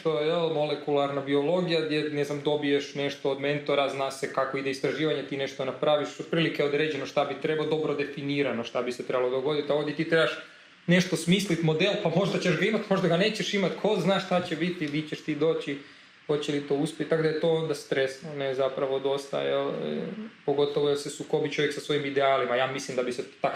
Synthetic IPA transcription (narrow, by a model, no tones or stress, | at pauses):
t̪ojeelmo̞lekulˠaɾnabio̞lˠo̞ɡijad̪jeneznamd̪o̞bijeʃne̞ʃt̪o̞ːd̪me̞nt̪oɾaznaːsekako̞id̪eist̪ɾaʒiːʋaɲet̪iːne̞ʃt̪onapɾaʋiʃot̪̚pɾiːlikeod̪ɾe̞ːd͡ʑenoʃt̪abit̪ɾe̞baod̪o̞bɾo̞d̪e̞finiːɾanoʃt̪abiset̪ɾe̞balo̞d̪oɡo̞d̪it̪ao̞ʋd̪jet̪iːt̪ɾebaʃ | ne̞ʃt̪o̞smiːslit̪mo̞d̪e̞lpamo̞ʒd̪at͡ɕe̞ʒɡaimat̪mo̞ʒd̪aɡane̞ːt͡ɕeʃimat̪kʰo̞znaːʃt̪at͡ɕebit̪lit͡ɕeʃt̪iːd̪o̞ːt͡ɕi | xo̞t͡ɕelit̪o̞uspʲjet̪t̪akod̪ajet̪o̞ond̪ast̪ɾesnonezapɾaʋod̪o̞st̪a̰je | po̞ɡo̞t̪oʋojaksesuko̞bit͡ʃo̞jeksasʋo̞imid̪eaːlimajaːmislimd̪abiset̪ak